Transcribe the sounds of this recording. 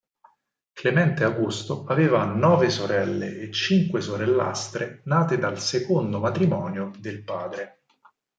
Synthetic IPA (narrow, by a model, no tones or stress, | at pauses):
klemɛnt̪eaɡust̪oaveːvanɔːvesoɾɛlːeʔːt͡ʃːiŋkwesoɾelːa̰st̪ɾenaːt̪ed̪alsekond̪omat̪ɾimɔːnjod̪elpaːd̪ɾe